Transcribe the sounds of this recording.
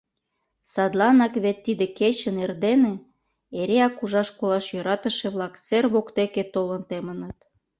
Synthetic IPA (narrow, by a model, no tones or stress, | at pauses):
sɑd̪lɑnɑkβet̪ːid̪eket͡ɕənerd̪ene | eɾeɑkuʒɑʃkolɑʃjøɾɑt̪ə̆ʃeβlɑkserβokt̪eket̪olənt̪emənət̪